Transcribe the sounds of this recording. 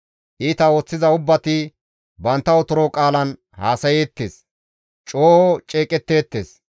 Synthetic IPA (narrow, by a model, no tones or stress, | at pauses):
ʔiːt̪ɐo̞ːt͡sːɪzɐʊbːɐt̪ɪ | bɐnt̪ːɐɔt̪ʊɾoːkʼaːlɐn | haːsɐjeːt̪ːḛːs | t͡ʃʼoːɔt͡ʃʼeːkʼɛt̪ːeːt̪ːeːs